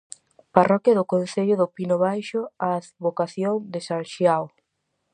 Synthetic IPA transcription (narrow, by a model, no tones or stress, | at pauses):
parɔkjɐðʊkon̟θeʎʊðʊpinʊβajʃʊaaθβokaθjoŋd̪esalʃjaw